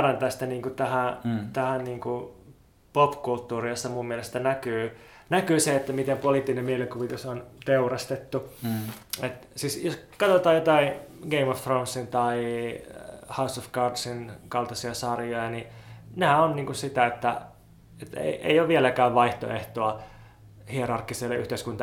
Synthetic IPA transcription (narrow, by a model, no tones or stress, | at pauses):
rɑnt̪ɑːst̪æniːŋkut̪æhæt̪æhænniːŋku | popkult̪ːuːriost̪ːɑmummiælest̪ænækyː | nækyːseet̪ːæmit̪empoliˑt̪ːinemmielikuʋit̪usont̪eurɑst̪et̪ːu | et̪siːsjoskɑt̪ot̪ɑːjot̪ɑiɡeimofːronsːint̪ɑi | hɑusofɡɑrdsinkɑlt̪ɑsiɑsɑrjojɑninæːonniːŋkussit̪æet̪ːæ̰ | et̪ːḛiʔḛijoʋʋielækæːʋʋɑiht̪o̰eht̪oɑ | hierɑrkːˑiselːeʔy̰ht̪eiskunt̪ɑ